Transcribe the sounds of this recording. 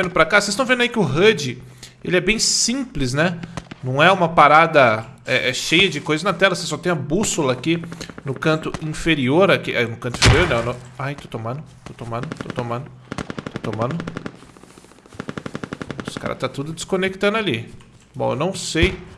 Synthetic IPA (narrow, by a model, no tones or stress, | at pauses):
vẽnd̪ʊpɾakasest̪ɐ̃vẽd̪ɐikɪʊɦɐd͡ʒɪḛlɪɛbẽj̃sĩplɪs̬nɛnɐ̃w̃ɛũmɐpaɾad̪ɐɛʔɛʃejɐd͡ʒɪkojzɐznɐt̪ɛlɐsesɔt̪ẽj̃ɐbusʊlɐːkinʊkɐ̃nt̪ʊĩfeɾioɾakiʔanʊkɐ̃nt̪ʊĩfeɾioɾnɛʊnõmajt̪ot̪omɐ̃nʊt̪ot̪omɐ̃nʊt̪o̰t̪omɐ̃nd̪ʊt̪ot̪omɐ̃nd̪ʊ | ʊsɪ̥ka̰ɾɐ̰t̪at̪ud̪ʊd͡ʒ̪ɪskõnek̚t̪ɐ̃nd̪ʊali | bõ̰ḛwnɐ̃w̃sej